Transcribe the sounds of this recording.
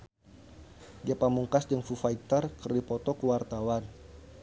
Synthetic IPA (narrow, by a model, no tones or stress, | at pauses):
diapamuŋkasdəŋfufait̪ərkərdipɔt̪ɔkuwart̪awan